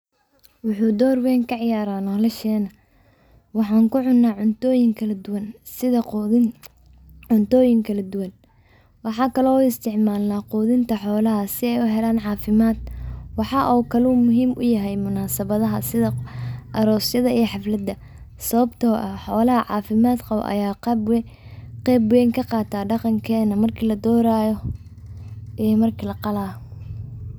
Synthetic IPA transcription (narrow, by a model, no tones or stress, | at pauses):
wʊħuːd̪ɔːrwɛːŋkʰɐʕɪjaːɾaːnɔlɐʃɛːnɐ | wɑħɑːŋkʰʊʕʊnːaːʕʊnt̪ɔːjɪŋkʰɐlɐd̪ʊwɐn | sɪðɐ | ʕʊnt̪ɔːjɪŋkʰɐlɐd̪ʊwɐn | wɑħɑːkʰɐlɔːuːɪst̪ʰɪʕmaːlnaːquːðɪnt̪ʰɐħɔːlɐɦɐsɪɛjʊɦɛlaːnʕɑːfɪmaːd̪wɑħɑːʔɔkʰɐluːmʊɦiːmʔʊ̰jɐɦɛjmʊnaːsɐβɐðɐɦɐsɪðɐʔɐɾɔːsjɐðɐijħɑflɐd̪ɐ | sɐβɐbt̪ʰɔːʔɐħɔːlɐɦɐʕɑːfɪmaːd̪qɑwʔɐ̰jaːb | qɛːbwɛŋkʰɐqɑːt̪ʰaːɖɑqɑŋkʰɛːnɐmɐrkʰiːlɐd̪ɔːɾaːjɔ | ʔijmɐrkʰilɐqɑlaː